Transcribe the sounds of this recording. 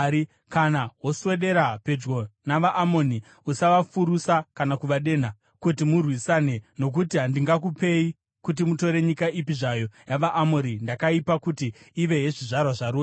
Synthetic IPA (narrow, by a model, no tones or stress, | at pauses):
i | kanaɦwo̞swe̞ɗe̞ɾape̞d͡ʒɡo̞naʋaʔːmo̞ni | usaʋafuɾusakanakuʋaɗe̞n̤a | kutimurwisane̞no̞k̬utiɦandiŋɡak̬upe̞i | kut̬imuto̞ɾe̞ɲikaʔipiʐajo̞jaʋaʔːmoɾindakaipakutiːʋe̞ɦeʐiʐarwaʐaɾu